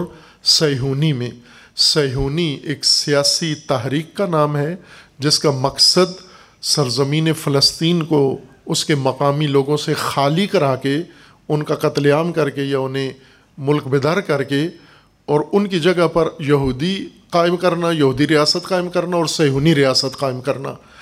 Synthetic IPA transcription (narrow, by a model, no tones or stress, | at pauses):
ɾ | sɐjɦuːnimẽ | sɐːɦuːnieːksijaːsit̪aɦɾiːqːanaːmɦɛd͡ʒɪskamɐqsəd̪ | sɐɾzəmiːnefɪləst̪iːnkoʊskemɐqaːmiloːɡõsexaːlikɐɾaːke | ʊnkaqɐt̪ljaːmkɐɾkejaʊnɦẽ | mʊlkbɪd̪aːɾkɐɾke | ɔːɾʊnkid͡ʒɐɡapɐɾjɐɦuːd̪iqaːɪmkɐɾnajɐɦuːd̪iɾijaːsət̪qaːɪmkɐɾnaɔːɾsɛɦuːniɾijaːsət̪qaːɪmkɐɾna̰ː